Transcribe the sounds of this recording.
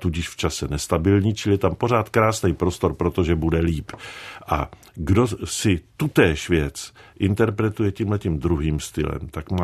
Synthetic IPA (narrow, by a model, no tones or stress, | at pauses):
t̪uɟɪʃft͡ʃasɛnɛst̪abɪlɲiːt͡ʃɪlɪjɛt̪ampo̞ɾ̝aːt̪kɾaːsnɛjpɾo̞st̪o̞ɾpɾo̞t̪o̞ʒɛbudɛliːpʔa̰ | ɡdo̞sɪt̪ut̪ɛːʃvjɛt͡sʔɪnt̪ɛɾpɾɛt̪ujɛciːmlɛcimd̪ɾuɦiːmst̪ɪ̰lɛ̰mt̪akma